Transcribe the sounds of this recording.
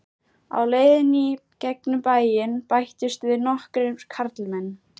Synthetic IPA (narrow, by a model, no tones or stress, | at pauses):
a̰wleːjðɪnicɛknʏmpaːjɪnpajht̪ɪst̪vɪnɔhkɾɪ̥kʰaɾt̪lmɛnː